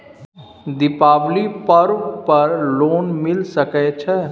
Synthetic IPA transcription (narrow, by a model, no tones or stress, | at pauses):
d̪ɪpaːʋlipɐɾpɐɾloːnmɪlsəkɛt͡ʃʰɛ